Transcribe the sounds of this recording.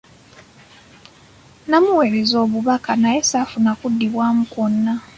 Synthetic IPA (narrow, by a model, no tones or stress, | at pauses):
namuwe̞ɾe̞zo̞ːβuβakanajesafunakudːiβwaːmukonːa